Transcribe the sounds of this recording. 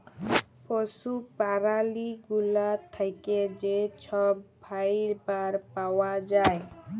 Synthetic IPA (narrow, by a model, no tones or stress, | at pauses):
pɔsupaɾaliɡulat̪ʰajked͡ʒet͡ʃʰɔbːʱajɾbaɾpawad͡ʒaj